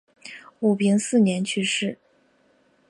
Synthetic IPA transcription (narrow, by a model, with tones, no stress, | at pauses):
u˨˩pʰi˧˥ŋsɹ̩˥˩njɛ˧˥nt͡ɕʰy˥˧ʂɻ̩˥˩